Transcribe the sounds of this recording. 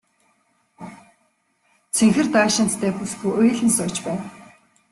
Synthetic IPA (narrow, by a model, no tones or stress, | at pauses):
t͡sʰeŋxɘ̆rt̪aʃɪ̆n̥t̪t̪ʰæːpusxujʔʊjɮɘ̆nsʊːt͡ɕpæːn